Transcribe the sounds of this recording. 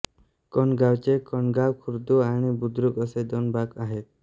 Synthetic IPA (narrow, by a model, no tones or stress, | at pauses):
kɔnɡawt͡ʃekɔnɡawkʰuɾd̪uaɽ̃ibud̪ɾukɔsed̪ɔnbakaɦet̪̚